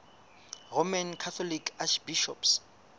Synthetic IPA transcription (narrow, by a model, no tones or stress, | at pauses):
romankʰat̪ʰɔlikʰaʃbiʃɔps